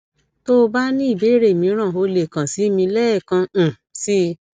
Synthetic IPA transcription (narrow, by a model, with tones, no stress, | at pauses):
to˦˧ba˦nĩ˦i˦˨be˨˦ɾe˦˨mĩ˧˦ɾ̃ã˦˨o˧le˨kã˨si˨˦mĩ˧lɛ˦˨kã˧˨ | si˦